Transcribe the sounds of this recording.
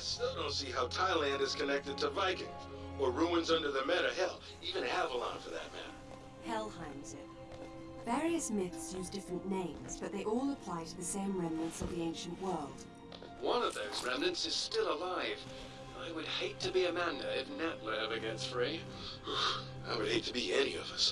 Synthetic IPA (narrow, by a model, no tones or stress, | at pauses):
stoʊɾõʊ̃nsiɦaʊtʰaɪlæ̃ndɨz̥kʰɨnɛk̚tɨd̚tʰəvaɪkɪ̰̃ŋ | ə˞ɹuɨ̃nzʌ̃ndə˞ðəmɛɾɨɦɛlˠ | ivɨ̃nəvəlã̰ɪ̃nfə˞ðɨ̰t̚mæ̰̃n | hɛlˠhãɪ̃mz̥ɪt̚ | vɛɹiɨsmɪθsjʉzdɪfɹɨ̃nːẽɪ̃mz̥b̥ʌt̪̚ðeɪʔɔlˠəpʰl̥aɪtʰɨðɨsẽɪ̃mɹɛ̃mnɨ̃ntsʌvðiẽɪ̃nʃɨ̃n̩ʔwɜ˞lˠd̥ | wʌ̃nʌvðoʊzɹɛ̃mnɨ̃nsɨz̥stɪlˠəlaɪv̥ | ʔa̰ɪwɨd̚heɪtʰɨbiɨmæ̃ndɨɨfnɨʔlɛɨ̃vɨɡɛ̃nstfɹi | a̰ɪwɨd̚heɪtʰɨbiɛniʌ̰vʌs